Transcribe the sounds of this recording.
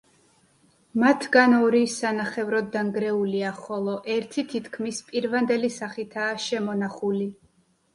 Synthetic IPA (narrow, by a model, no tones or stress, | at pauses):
mat̪ʰɡanɔɾisanaχɛvɾɔd̪d̪ːaŋɡɾɛuliaχɔlˠɔʔɛɾt̪ʰit̪ʰit̪ʰkʰmispʼiɾvand̪ɛlisaχit̪ʰaːʃɛmɔnaχuli